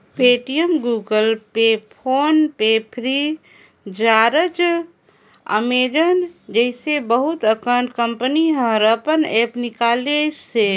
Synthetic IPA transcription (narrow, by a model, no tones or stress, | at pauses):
peʈijəmɡuːɡəlpepʰoːnpepʰɾi | d͡ʒaɾət͡ʃ | ə̰med͡ʒənd͡ʒəɪsebəɦut̪əkəɳʈkəmpəniɦə̃ɾəpənepnikaːlese